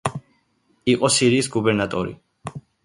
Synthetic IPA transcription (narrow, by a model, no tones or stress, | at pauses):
iqʼɔsiɾiːsɡubɛɾnat̪ʼɔɾḭ